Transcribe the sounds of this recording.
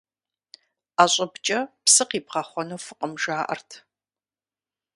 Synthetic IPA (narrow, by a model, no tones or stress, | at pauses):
aːɕʼɐbt͡ʃʼɐpsɨqiːpqɑχʷɔnuːfɨqʼəmʒaːʔɐ̰rtʰ